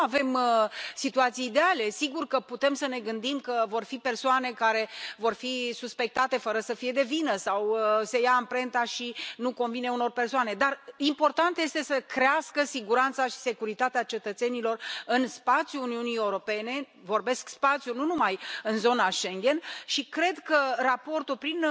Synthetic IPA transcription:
ave̞msit̪uat̪sijːd̪eale̞siɡurkəput̪e̞msəne̞ɡɨnd̪imkəvo̞rfipe̞rsoane̞kaɾe̞vo̞rfisuspe̞k̚t̪at̪e̞fəɾəsəfije̞d̪e̞vinəsawse̞jaːmpɾe̞nt̪aʃinuko̞nvine̞uno̞rpe̞rsoane̞d̪arimpo̞rt̪ant̪je̞st̪e̞səkɾeaskəsiɡuɾant̪saʃi̥se̞kuɾit̪at̪eat͡ʃe̞t̪ət̪se̞nilo̞rɨnspat̪sjuuniunieuɾo̞pe̞ne̞ | vo̞rbe̞skspat̪sjununumajɨnzo̞naʃe̞ŋɡʲe̞nʃikɾe̞d̪kərapo̞rt̪ulpɾin

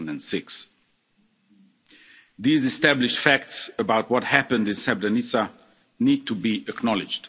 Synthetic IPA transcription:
n̩də̃nsɪks | ðiːzɨstæblɪʃtfæk̚tsəbaʊt̚wɔt̚hæpə̃ndɨ̃nsɛb̚danisa | nid̚tʰubiɨknɔlɪd͡ʒd̥

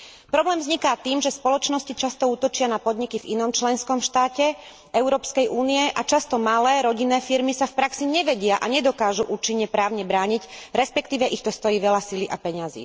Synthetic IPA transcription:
pɾɔblɛːmvzɲikaːt̪iːmʒɛspɔlɔt͡ʃnɔscit͡ʃast̪ɔuːt̪ɔt͡ʃɪanapɔd̪ɲikivḭnɔmt͡ʃlɛnskɔmʃt̪aːcɛ | ʔɛʊɾɔːpskɛjʔuːniɛʔat͡ʃast̪ɔmalɛːɾɔɟinːɛːfiɾmisafpɾaksiɲɛʋɛɟɪaʔaɲɛd̪ɔkaːʒuʔuːt͡ʃiɲːɛpɾaːʊɲɛbɾaːɲicɾɛspɛkt̪iːʋɛʔixt̪ɔst̪ɔjiːʋɛʎasiliʔapɛɲazḭː

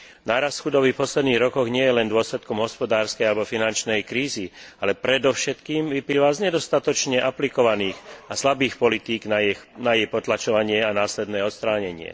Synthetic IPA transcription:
naːɾast̪xud̪ɔbifpɔslɛd̪niːɣɾɔkɔɣɲɪɛjɛlɛnd̪ʊɔslɛt̪kɔmɦɔspɔd̪aːɾskɛjalɛbɔfinant͡ʃnɛjkɾiːzialɛpɾɛd̪ɔʊʃɛt̪kiːmʋipliːʋazɲɛd̪ɔst̪at̪ɔt͡ʃɲɛʔaplikɔʋaniːxaslabiːxpɔlit̪iːɡnanajɛjpɔt̪lat͡ʃɔʋaɲɪɛanaːslɛd̪nɛːɔt̪st̪ɾaːɲɛɲɪɛ̰

